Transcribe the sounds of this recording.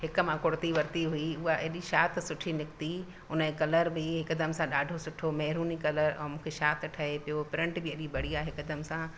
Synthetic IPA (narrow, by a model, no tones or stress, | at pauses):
ɦɪkmãkʊɽt̪iʋɐɾt̪iɦuiʊɦaʔeɗiʃaːt̪ʰsʊʈʰinɪkt̪i | ʊnəekɐləɾbɪɦɪkd̪ɐmsãɗaːɖʱosʊʈʰomɛɦɾuːnikɐləɾɛ̰̃ːmũːkʰeʃaːt̪ʈʰɐɦepijopɪɾɪ̃ɳʈbɪɐɗibɐɽ̤iaːɦɪkd̪əmsã